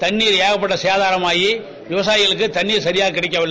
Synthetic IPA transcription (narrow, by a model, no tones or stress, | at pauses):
t̪ɐɳːiːɾeːɣɐpːɐʈːɐsɛjaːðaːɾɐmaːji | ʋɪʋɐsaːjɪɣɐɭɯk̬ːɯt̪ɐɳːiːɾsɐɾɪjaːɣɐkːɪɽɐk̬ʲːɐʋɐɭː